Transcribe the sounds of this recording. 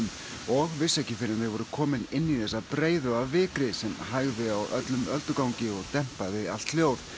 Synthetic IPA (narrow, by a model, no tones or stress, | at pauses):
m | ɔɣvɪsːɛhcɪfɪɾjanɪɣvɔɾʏkʰɔːmɪnɪnːiθɛsːapɾeːjðʏavvɪːkɾɪsɛmɦaɣðɪawʔœ̰t̪lʏmœlt̪ʏkawɲcɪɔɣt̪ɛm̥paðɪal̥t̪ljoːwð